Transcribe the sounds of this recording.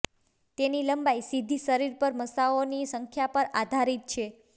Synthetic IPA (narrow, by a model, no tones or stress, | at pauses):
t̪eniləmbaisid̪ʱiʃəɾiɾpəɾməsaonisəŋkʰjapəɾad̪ʱaɾit̪̚t͡ʃʰe